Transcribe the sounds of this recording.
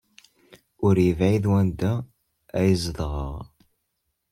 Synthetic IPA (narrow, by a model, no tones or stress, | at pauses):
ʊɾjəvʕiðwænd̪æː | jəzðˤəʁə̰ʁ